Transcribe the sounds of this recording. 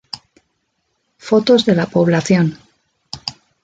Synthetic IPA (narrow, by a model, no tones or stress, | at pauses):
fo̞t̪o̞zðe̞lapo̞β̞laθjo̞n